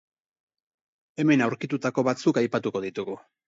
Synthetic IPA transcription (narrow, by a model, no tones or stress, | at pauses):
e̞me̞nawɾkit̪ut̪ako̞βat͡sukajpat̪uko̞ðit̪uɣu